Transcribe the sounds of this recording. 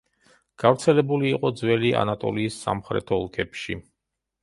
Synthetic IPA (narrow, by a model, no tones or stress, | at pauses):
ɡ̥avɾt̪sʰɛlɛbuliːqʼɔd̪zwɛlia̰nat̪ʼɔ̰liːsːa̰mχɾɛ̰t̪ʰɔlˠkʰɛpʃḭ